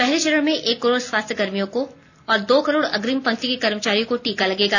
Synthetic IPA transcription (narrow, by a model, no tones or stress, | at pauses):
pɛɦleʃɐɾəɽmẽʔeːkːɐɾoːɽswaːst̪ʰjəɡɐɾmijõko | ɔːɾd̪oːkɐɾoːɽɐ̰ɡɾimpɐ̃ŋkt̪ikekɐɾmət͡ʃaːɾijõkoʈiːkalɐɡeːɡaː